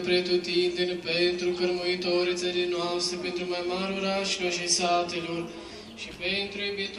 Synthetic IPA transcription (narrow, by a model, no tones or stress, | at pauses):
pɾet̪ut̪iːnd̪enpeːnt̪ɾukɐɾmujit̪oːɾit͡sɐlinaːst̪ɾəpent̪ɾumajmaːɾuɾaʃkɐʃisaːt̪iloɾ | ʃipeːnt̪ɾuebet̪